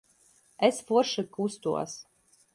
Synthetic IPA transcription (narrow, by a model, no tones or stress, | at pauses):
ɛsfuʃɨkust̪ṵɔs